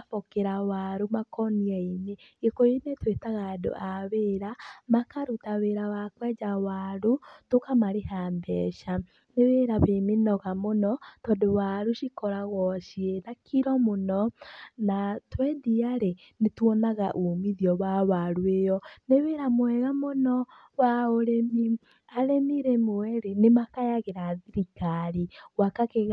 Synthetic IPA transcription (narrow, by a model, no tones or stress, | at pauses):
afɔkeɾawaɾomakɔniaiɲeɣekoɾenetwetaɣaːdo̰ʔaweɾamakaɾutaweɾawakwɛd͡ʒawaɾotokamaɾeɦaːndɛ̰ʃa | neweɾaβenenɔɣamonɔtɔdowaɾuʃikɔɾaɣɔʃienakʰiɾɔmonɔnatwɛdiaɾe | netwɔnaɣaʔomiðiɔβawaɾwejɔneweɾamwɛɣamonɔ | waoɾemi | aɾemiɾemowɛɾenemakajaɣeɾaːðiɾikaɾiwakakeɣ